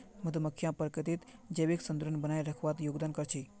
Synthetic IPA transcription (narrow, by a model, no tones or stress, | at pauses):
mɐt̪əməkʰːjãpəɾkət̪it̪d͡ʒeʋeksənd̪uɾənbənajɾəkʰʋat̪joːɡd̪aːnkəɾt͡ʃʰi